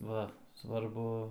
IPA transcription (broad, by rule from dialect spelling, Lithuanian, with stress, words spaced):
ˈʋɐ sʋɐrˈbʊ